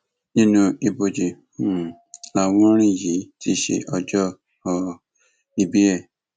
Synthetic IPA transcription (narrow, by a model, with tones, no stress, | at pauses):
nĩ˦nũ˧i˧bo˨d͡ʒi˨˦˨ | la˧˨wɔ̃˦ɾ̃ĩ˦˨ji˨˦ti˦ʃḛ˧ʔɔ˧d͡ʒɔ˦ | ɔ˧ | i˧bi˦ɛ˦˨